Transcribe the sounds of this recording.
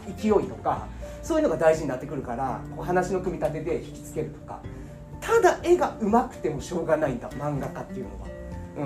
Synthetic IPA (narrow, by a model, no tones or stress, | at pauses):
ikʲio̞it̪o̞ka̰soːjɯ̟noɡad̪aiʑiɲ̟inat̪ːe̞kɯ̟ɾɯ̟kaɾa̰ko̞ːɦanaɕino̞kɯ̟mʲit̪at̪e̞d̪e̞çi̥kʲi̥t͡sɨ̥ke̞ɾɯ̟t̪o̞̥ka̰ | t̪ʰad̪aʔe̞ɡaɯ̟makɯ̟̥t̪e̞mo̞ɕo̞ːɡanaĩnd̪a̰mãŋɡakat̪ːejɯ̟̰no̞̰βa̰ | ɯ̟̃